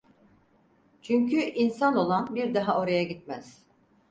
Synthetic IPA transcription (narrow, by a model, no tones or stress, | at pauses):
t͡ʃʰyɲcʰyʔinsano̞lˠanbiɾd̪aɦao̞ɾajaɟit̪̚mæz̥